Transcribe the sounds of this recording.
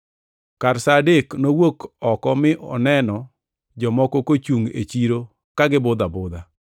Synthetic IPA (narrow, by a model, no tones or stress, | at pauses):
kaɾsadeknowokɔkɔmɪʔɔ̰nɛnɔ | d͡ʒɔmɔkokot͡ʃuŋḛt͡ʃiɾo | kaɡɪbʊd̪abʊd̪a